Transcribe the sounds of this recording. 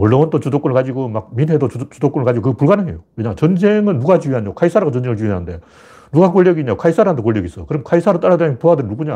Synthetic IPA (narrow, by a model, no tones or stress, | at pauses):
ʌɭːawʌnt͈ot͡ɕudok͈unɯɭkad͡ʑiɡomaɡ̚minɦedot͡ɕudok͈unɯɭkad͡ʑiɡokɯɡʌpuɭɡanɯŋḛjoweɲat͡ɕʌnd͡ʑe̞ŋɯnːuɡat͡ɕiiɦaɲokʰaisʰaɾaɡat͡ɕʌnd͡ʑe̞ŋɯɭt͡ɕiiɦanɯnde̞ | nuɡakoʎːjʌɡiɲaokʰais͈ʰaɾand̪okoɭːʌɡis͈ʌkɯɾʌmkʰaisʰaɾot͈aɾadepoadennuɡuɲa